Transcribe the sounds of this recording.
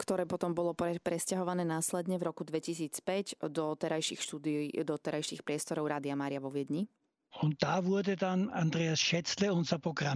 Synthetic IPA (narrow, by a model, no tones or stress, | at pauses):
kt̪ɔɾɛːpɔt̪ɔmbɔlɔpɛpɾɛscaɦɔʋanɛːnaːslɛd̪ɲɛvɾɔkud̪ʋɛcisiːt͡spɛɟd̪ɔt̪ɛɾajʃḭːxʃt̪uːd̪id̪ɔt̪ɛɾajʃiːxpɾɪɛst̪ɔɾɔʊɾaːd̪ɪamaːɾɪaʋɔʋɪɛd̪ɲi | ʊnt̪̚t̪aːʋuɐd̪ɛd̪anand̪ɾɛasʃɛt͡slɛɔnsapɔɡɾa